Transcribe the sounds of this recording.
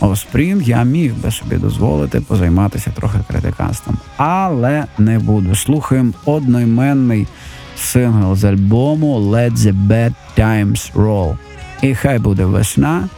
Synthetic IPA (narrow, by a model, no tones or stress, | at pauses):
ɔspɾʲimjamʲiwbɪsɔbʲḭd̪ɔ̰zʋɔ̰lˠɪt̪ɪpɔzɐjmɑt̪ɪsʲɐt̪ɾɔxɪkɾḛt̪ɪ̰kɑ̰st̪ʋɐ̰mɑlˠɛnɛbud̪ʊslˠuxɐjemɔd̪̚nɔjmɛnːɪj | sɪnɦɐlˠzɐlʲbɔmʊlˠɛd̪zʲɪbɛd̪t̪ajmsrɔlˠ | ixajbud̪ɛʋɪ̰ʃnɑ